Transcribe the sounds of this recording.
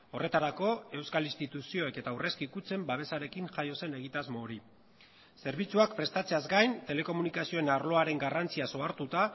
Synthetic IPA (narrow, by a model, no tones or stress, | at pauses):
o̞re̞t̪aɾako̞e̞wskalist̪it̪usio̞e̞ke̞t̪aure̞skikut͡se̞mbaβ̞e̞saɾe̞kiŋʝajo̞se̞ne̞ɣ̞it̪azmo̞ːɾi | se̞ɾβ̞it͡suakpɾe̞st̪at͡se̞azɡajnt̪e̞le̞ko̞munikasio̞enaɾlo̞aɾe̞ŋɡarant͡siaso̞aɾt̪ut̪a